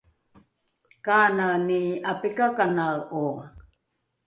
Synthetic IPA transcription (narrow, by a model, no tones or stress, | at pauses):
kananiapikakanau